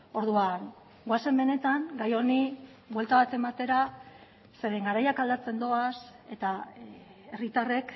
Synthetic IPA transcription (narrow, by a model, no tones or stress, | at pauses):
o̞ɾðuan | ɡoase̞mbe̞ne̞t̪aŋɡajo̞ni | βwe̞lt̪aβat̪e̞mat̪e̞ɾa | se̞ɾeŋɡaɾajakald̪at͡se̞nd̪o̞ase̞̰t̪a | e̞rit̪are̞k